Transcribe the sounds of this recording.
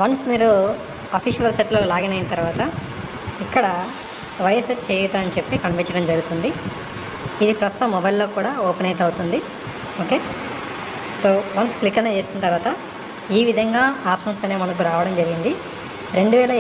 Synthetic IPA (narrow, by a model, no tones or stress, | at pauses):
ʋɐnsmiːɾu | ɐpʰiʃɐlɐlseʈloːlaːɡɐnɐjnɐt̪ɐɾʋaːt̪ɐ | ikːɐɽɐ | ʋɐjɐset͡ʃt͡ʃeːjut̪aɐnit͡ʃepːikɐɳpit͡ʃɐɽɐmd͡ʒɐɾɡut̪und̪i | id̪ipɾɐst̪u̥t̪ɐmːɔbɐjlːo̞ːkuːɽaːoːpnɐjt̪ɐwut̪und̪i | oːke̞ː | soːʋɐnsklikːɐneːt͡ʃe̞ːsinɐt̪ɐɾʋaːt̪ɐ | iːʋid̪ʱɐŋɡaːaːpsɐnsɐneːmɐnɐk̬uɾaːʋɐɽɐmd͡ʒɐɾiɡind̪i | ɾe̞ɳɖuʋɛːlɐ